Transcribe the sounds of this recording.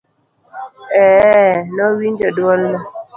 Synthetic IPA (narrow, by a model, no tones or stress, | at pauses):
ɛnɔwiɲd͡ʒɔdwɔlma